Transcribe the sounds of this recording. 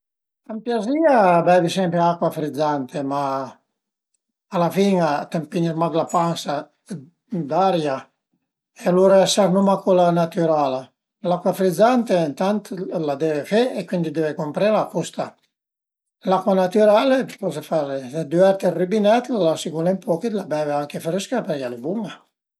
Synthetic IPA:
t̪ampjaziabɛvisɛmpɾeakwafɾid̪zːant̪ʰema | lafiŋat̪ampiniɾmad̪lapansa | d̪aɾja | ealuɾaɛsaɾnumakolanat̪yɾaːla | lakwafɾid̪zant̪ent̪ant̪lad̪ɛvefeekwind̪id̪ɛvekompɾeɾapust̪a | lakwanat̪yɾalepɔsefaɾed̪yɛɾt̪eribinɛt̪lasikulempɔkit̪labɛveaŋkefeɾiskapɛɾjalebuŋa

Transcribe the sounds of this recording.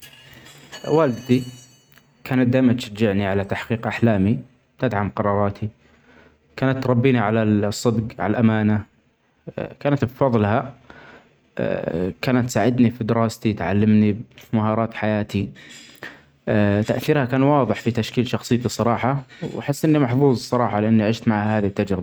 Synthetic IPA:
waːld̪d̪i | kʰaːnat̪̚d̪aːmat̪ʃad͡ʒɪʕniʕalat̪aħqiːqʔaħlaːmi̥ | t̪ad̪ʕamqɑɾˤɑːɾˤɑːt̪ʰi | kaːnat̪ːɾˤɑbːiːniʕalasˤːɨbɡʕa̰lalʔamaːna | kaːnat̪bfɑðˤlha | kaːnat̪ːsaːʕɪd̪nifid̪ɪɾɑːst̪it̪ʕa̰lːɪmnimaɦɑːɾˤɑːt̪ħajaːt̪i | t̪aʔθiːɾhakaːnwɑːðˤɨħfit̪aʃkiːlʃɑxsˤɨjːt̪isˤɑɾˤɑːħɑwħɪsːʔɪnːimaħfuːzˤsˤɑɾˤɑːħɑlɪʔanːiʕɪʃt̪maʕhahaːðit̪ːad͡ʒɾɪba

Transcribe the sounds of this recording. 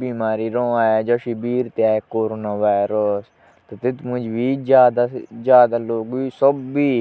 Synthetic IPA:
biːmaːɾiːɾõːaːjaːd͡ʒoːʃibiːɾt̪eaːekoːɾoːnaːʋaːɪɾəs | t̪et̪ɪt̪mʊ̃d͡ʒʋiːd͡ʒjaːd̪ad͡ʒjaːd̪aːloːɡiːsəbːiː

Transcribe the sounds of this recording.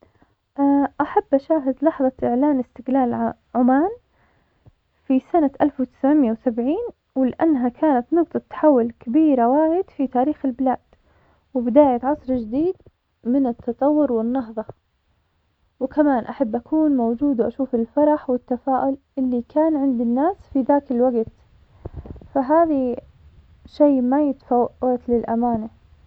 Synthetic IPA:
ʔaʔaħabːʔaʃaːɦɪd̪lɑħðˤɑʔɪʕlaːnɪst̪ɪɡlaːl | ʕʊmaːn | fisanaʔalfwɪt̪ɪ̥sʕmjawsabʕiːn | wɪlɪʔanːɦakʰaːnat̪nɑqt̪ˤɑt̪ːḁħawːʊlkabiːɾawaːjɪd̪fit̪aːɾiːxɪlbɪlaːd̪̥ | wɪbɪd̪aːjat̪ʕɑsˤɾd͡ʒɪd̪iːd̪ | mɪnɪt̪ʰːɑt̪ˤɑwːʊɾwɪnːɑɦðˤɑ | wɪkamaːnʔaħabːʔakʰuːnmowd͡ʒuːd̪wʔaʃuːfɪlfɑɾˤɑħwɪt̪ːafaːʔʊlʔɪlːikaːnʕɪnd̪ɪnːaːsfiðaːkɪlwaɡt̪ | faɦaːði | ʃejmajɪt̪ḁfawt̪lɪlʔamaːna

